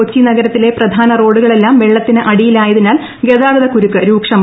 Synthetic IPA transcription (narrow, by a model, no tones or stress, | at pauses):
ot͡ɕːinɐɡɐɾɐt̪ːile̞prɐd̪ʱaːnɐro̞ːɽuɣɐɭe̞lːaːmʋeɭːɐt̪ːinɨʔɐɽijilaːjɐðinaːl | ɡeðaːɡɐðɐkuɾukːɨɾuːkʂɐm